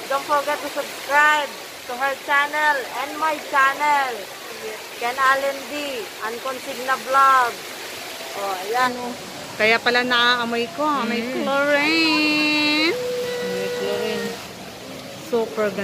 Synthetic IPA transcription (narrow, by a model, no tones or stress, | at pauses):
d̪onfɔɹɡɛt̪ːusʊbskɹajb̚ | t̪ʊɦɛɹt͡ʃanɛlɛ̃nd̪majt͡ʃanɛl | ɡ | kɛ̃nalɛndiʔɐnkɔnsɪɡ̚nɐblaɡ̚ | ʔoʔɐjan | kɐjapɐlanɐaːʔɐmojkoamɐjkloɹe | nɐmajkloɾɛn | suːpɛɹɡɐ